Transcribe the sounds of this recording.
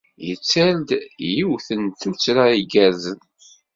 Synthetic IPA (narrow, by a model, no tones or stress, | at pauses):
jət͡sːæld̪jiwθənt̪ut͡sːɾaiɡæzən